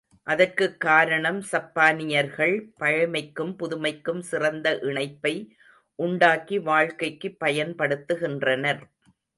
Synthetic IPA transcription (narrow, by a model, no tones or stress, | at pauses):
ʔɐðɐrkɯkːaːɾɐɳɐmsɐpːaːnɪjɐɾɣɐɭpɐɻɐmɐɪkːɯmpʊðʊmɐɪkːɯmsɪrɐnd̪ɐʔɪɳɐɪpːɐɪ | ʔʊɳɖaːkiʋaːɻkɐɪkːɯpːɐjɐnpɐɽɯt̪ːɯɣɪndrɐnɐɾ